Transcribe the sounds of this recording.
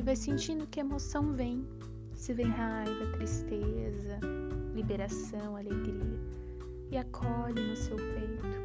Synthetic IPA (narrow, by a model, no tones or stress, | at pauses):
ɪvajsẽnt͡ʃĩnd̪ʊkɪɐemosɐ̃w̃vẽj̃ | sɪvẽj̃ɦajvɐt̪ɾist̪ezɐlibeɾasɐ̃w̃aleɡɾiɐ | ɪakʰɔʎɪnʊsewpejt̪ʊ̥